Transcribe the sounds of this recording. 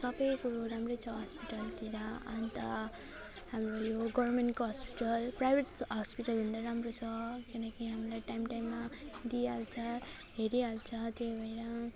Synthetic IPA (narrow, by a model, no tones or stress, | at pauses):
sʌbʌjkuɾoɾamrʌjt͡sʰʌɦʌspiʈʌlt̪iɾʌa̰nt̪ʌ | ɦamrojoɡʌrmenʈkoɦʌspi̥ʈʌlprajbʱeʈɦʌspiʈʌlɦund̪aɾamrot͡sʰʌkinʌkiɦamilajʈajmʈajmːad̪ialt͡sʰʌ | ɦeɾialt͡sʰʌt̪joɡʱʌjɾʌ